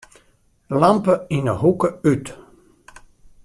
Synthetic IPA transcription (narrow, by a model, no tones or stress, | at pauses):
lampəɪnəɦukəyt